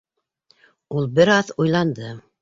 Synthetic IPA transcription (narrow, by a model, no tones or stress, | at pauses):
ulˠbɘɾɑðujlˠɑnd̪ɤ